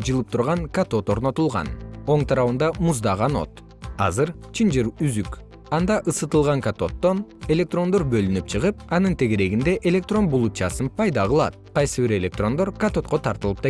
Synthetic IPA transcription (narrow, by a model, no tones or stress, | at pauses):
d͡ʒɯlˠɯp̚t̪ʰuɾʁɑŋkat̪o̞t̪o̞ɾno̞t̪ulˠʁɑ̰no̞ɴt̪ʰɑɾɑβɯnd̪ɑmuzd̪ɑʁɑno̞̰t̪ | ɑ̰zɯɾt͡ʃʰind͡ʒiɾyzyk | ɑnd̪ɑʔɯsɯt̪ɯlˠʁɑŋkat̪o̞t̪ːo̞ne̞lʲek̚t̪ro̞nd̪o̞ɾbø̞lynyp̚t͡ʃʰɯʁɯp̚ɑnɯnt̪ʰe̞ɡe̞ɾe̞ɡind̪e̞ʔe̞lʲe̞k̚t̪ro̞nbulˠup̚t͡ʃɑsɯnpʰɑjd̪ɑʁɯlˠɑ̰t̪̚qʰɑjsɯβiɾe̞lʲe̞k̚t̪ro̞nd̪oɾkat̪o̞t̪̚qo̞t̪ʰɑɾt̪ɯlˠɯp̚t̪ɑ